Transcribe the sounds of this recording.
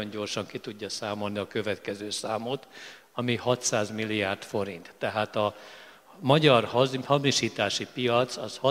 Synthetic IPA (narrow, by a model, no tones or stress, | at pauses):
oɲɟo̞rʃɒŋkit̪uɟːɒsaːmo̞lniɒkøvɛt̪kɛzøːsaːmot̪ | ɒmihɒt̪saːzmilːijaːrt̪fo̞ɾint̪ːɛɦaːt̪ɒ | mɒɟɒrhɒhɒmiʃiːt̪aːʃipijɒt̪sɒshɒ